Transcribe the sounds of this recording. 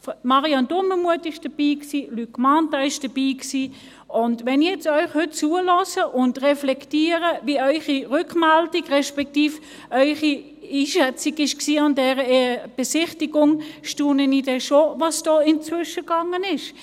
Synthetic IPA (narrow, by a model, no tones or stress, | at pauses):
mɑʁiɑndʊməmuətɪʃd̥ɐb̥iːksiːlykmɑntɑɪʃd̥ɐb̥iːksiː | ʊndʋɛnijɛt͡stœʏχhʏt̚t͡suːəlɔsəʔʊndʁɛflɛktiːəʁəviœʏχiʁʏkmɛldikʁɛʃpɛk̚tiːf | œʏχi | iːʃɛt͡siɡɪʃksiːɑndɛːʁəb̥esɪχtiɡʊŋʃtuːnənidɛʃovɑsd̥ɔːɪnt͡svʏʃəɡ̥ɑŋənɪʃ